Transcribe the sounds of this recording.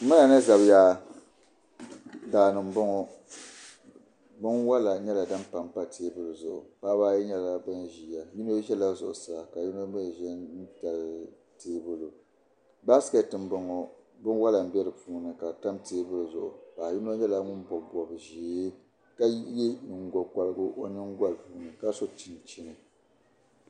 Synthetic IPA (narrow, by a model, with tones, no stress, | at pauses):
mɨ˦na˨nɨ˦za˨bjaː˦ | daː˨nɨ˨m˦bʊ˦ŋɔ˦ | bʊ˦ŋ˦wa˦la˨ɲɛ˦la˨da˦m˦pa˨mpa˦tʰeː˦bʊ˦lʊ˨zʊ˨ʔʊ̰˨paː˦baː˦jɛ˦ɲɛ˦la˨ba˦n˨ʒiː˨ja˨ju˦n˦o˦ʒɛ˦la˦zʊ̰˨ʔʊ˨sa˦˨ka˨ju˦n˦a˦mɛ˦˨ʒɛ˦n̩˦ta˨l | teː˦bʊ˦lʊ˨ | ba˦ska˦˨tɨ˨mbɨ˦ŋɔ˨ | bʊ˦n˦wa˦la˨m̩˦bɛ˦ɾɨ˨puː˨˦nɨ˨ka˨ta˦mteː˦bɨ˦lzʊ̰˨ʔʊ̰˨ba˨ju˦n˦o˦ɲɛ˦la˦ŋʊ˦nbɔ˨bbɔ˨bɨ˨ʒeː˨˦ | ka˦jɛ˦˨ŋ˨ɡɔ˨ka˨lɨ˦ɡʊ˦ʔo˦nɨ˦ŋ˦ɡʷa˦lpuː˨˦nɨ˨ka˦so˦t͡ʃi˦˨n˨t͡ʃi˦nɨ˨